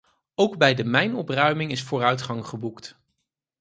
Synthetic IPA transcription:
owɡbɛjdəmɛjnɔprœɥmɪŋɪsfʊːrœɥtχɑŋχəbukt

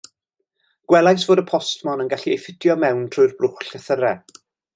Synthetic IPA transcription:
ɡ̥wɛlˠajsv̥oːdəpʰɔstmɔnənɡaɬiejfɪd̥jɔmɛwntʰr̥ʊjrbrʊχɬəθəɾɛ

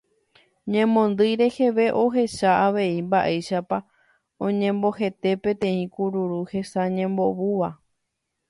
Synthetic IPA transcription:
ɲẽ̞mõ̞nd̪ɨjɾe̞he̞ʋe̞ʔo̞ɦe̞ʃaaʋe̞imbaʔejʃapa | õɲẽ̞mbo̞ɦe̞t̪e̞pẽ̞t̪ẽ̞ĩkuɾuɾuhe̞saɲẽmbo̞βuʋa

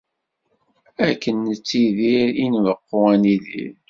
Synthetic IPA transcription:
ækːənːət͡sːiðiɾinvəqːoʁæniðḭɾ

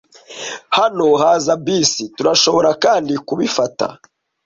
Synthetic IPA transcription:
hano̞ɦaːzabiːsituɾaʃo̞βo̞ɾakaːndikuβifata̰

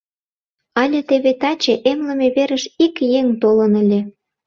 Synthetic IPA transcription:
ɑlʲĕt̪eβet̪ɑt͡ɕeʔemləmeβeɾəʃikjeŋt̪olənə̆lʲĕ

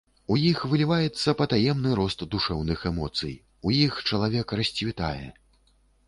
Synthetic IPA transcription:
ujixvɨlʲivajɛt̪sːɐpɐt̪ajɛmnɨɾɔst̪d̪uʂɛwnɨxɛmɔt̪sɨ̰j | ujixt͡ʂɐlˠavʲɛkrɐsʲt͡sʲvʲit̪a̰jɛ̰

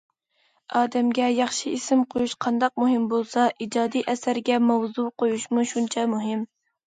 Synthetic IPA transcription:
ɑːd̪ɛmɡʲɛjɑχʃiisɪmqʰojuʃqʰɑnd̪ɑq̚muɦɪmbolˠsɑʔid͡ʒɑːd̪iʔɛsæɾɡʲɛmɑwzuqʰojuʃmuʃunt͡ʃʰɑmuɦɪm

